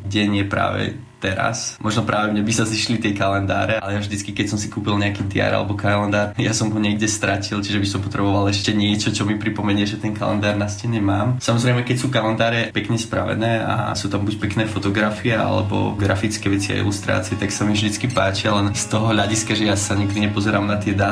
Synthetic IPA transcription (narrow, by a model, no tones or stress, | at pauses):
ɡɟɛɲɪjɛpɾa̰ːʋɛ̰ | t̪ɛɾa̰smʔɔʒnɔpɾʔaːʋɛmɲɛbisaziʃlit̪ɪɛkalɛnd̪a̰ːɾɛalɛjavʒd̪it͡skikɛcsɔmsi̥kuːpilɲɛakiːt̪ja̰ɾa̰lɛ̰bɔkalɛnd̪aːɾjasɔmɦɔɲɪɛɡɟɛst̪ɾacilˠt͡ʃiʒɛbisɔmpɔt̪ɾɛbɔʋalˠɛʃcɛɲɪɛt͡ʃɔt͡ʃɔmipɾipɔmɛɲɪɛʒɛt̪ɛnka̰lɛ̰nd̪aːɾnascɛɲɛmaːmsamɔzɾɛɪmɛkɛcsuːkalɛnd̪aːɾɛpɛkɲɛspɾa̰ʋɛ̰nɛːa̰suːt̪ambuc̚pɛknɛːfɔt̪ɔɡɾafiɛa̰lɛ̰bɔ̰ɡɾafit͡skɛʋɛt͡sia̰jḭlust̪ɾa̰ːt͡siɛt̪aksamivʒd̪it͡skipaːt͡ʃialɛnst̪ɔɦɔʎaɟiskaʒɛjasaɲiɡd̪iɲɛpɔzɛɾaːmnat̪ɪɛd̪a